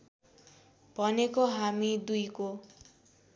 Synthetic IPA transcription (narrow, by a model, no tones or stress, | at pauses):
pɔnekoɦamid̪ujko